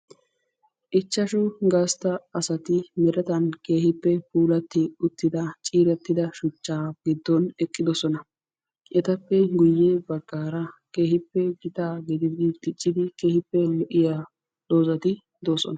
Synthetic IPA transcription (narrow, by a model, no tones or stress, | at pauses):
ʔɪt͡ʃːɐʃʊɡɐst̪ɐɐsɐt̪ɪmɛɾɛt̪ɐnke̞ːhɪpːɛpuːlɐt̪ːɪʊt̪ːɪd̪ɐt͡ʃʼiːɾɛt̪ːɪd̪ɐʃʊt͡ʃːaːɡ̥ɪd̪ːɔnɛkʼːɪd̪ɔsɔnɐ | ʔɛt̪ɐpːɛɡʊjːeːbɐɡːaːɾɐke̞ːhɪpːɛɡɪt̪aːɡɪd̪ɪd̪ɪt̪ɪt͡ʃʼːɪd̪ɪke̞ːhɪpːɛlɔʔɪja | ɗo̞ːzɐt̪ɪ | d̪oːsɔ̰nɐ